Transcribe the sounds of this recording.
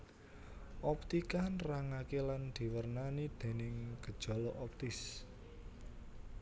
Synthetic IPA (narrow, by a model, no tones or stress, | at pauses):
ʔɔp̚t̪ikanraŋakeland̪̥i̤wərnanid̪̥e̤nɪŋɡ̥əd̥ʒ̥ɔ̤lɔʔɔp̚t̪ɪs